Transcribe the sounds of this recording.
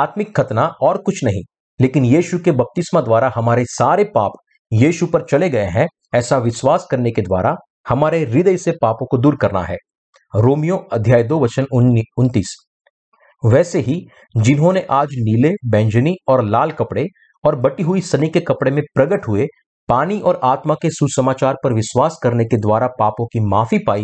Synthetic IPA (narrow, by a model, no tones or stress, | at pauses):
aːt̪mɪkʰːɐt̪naʔɔːɾkʊt͡ʃʰnɐɦḭ̃ | leːkɪnjiːʃukebɐp̚t̪ɪsmãd̪waːɾaɦɐmaːɾesaːɾepa̰ːp | jiːʃupɐɾt͡ʃɐleɡɐeɦɛ̃ | ɛːsaʋɪswaːskɐɾneked̪wa̰ːɾa | hɐmaːɾeɾɪd̪əjsepaːpõkod̪uːɾkɐɾna̰ɦɛ̰ː | ɾoːmijõɐd̪ʱjaːjd̪oːʋɐt͡ʃənʊnt̪iːs | ʋɛːseɦi | d͡ʒɪnɦõneʔaːd͡ʒniːlebɛ̃ːɲd͡ʒniɔːɾlaːlkɐpɽe | ɔːɾbɐʈiɦʊisɐnikekɐpɽemẽpɾɐɡəʈɦʊe | paːniʔɔːɾaːt̪makesusɐmaːt͡ʃaːɾpɐɾʋɪʃwaːskɐɾneked̪waːɾapaːpõkimaːfipaːi